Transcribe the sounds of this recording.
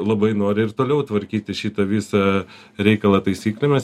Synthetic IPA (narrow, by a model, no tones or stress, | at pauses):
lˠɐbɐɪnoːɾʲɪɪrt̪oːlʲɛʊt̪ʋɐɾʲkʲiːt̪ʲɪʃʲiːt̪ɐʋʲiːsɐ | ɾʲɛɪkɐlˠɐt̪ɐɪsʲiːklʲɛmʲɛs